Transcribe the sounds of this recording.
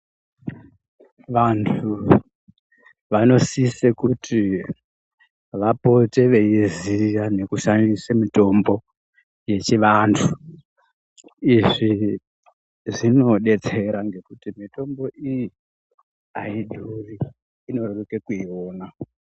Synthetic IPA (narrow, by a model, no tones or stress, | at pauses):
ʋantʰu | ʋano̞sisekutʰi | ʋapo̞te̞ʋe̞izijane̞kuʃandisemito̞mbo̞ | je̞t͡ʃiʋantʰu | iʐi | ʐino̞ɗe̞t͡se̞ɾaŋɡe̞kutimito̞mbo̞ʔiji | aiɗʱuriː | no̞rorekekuioːna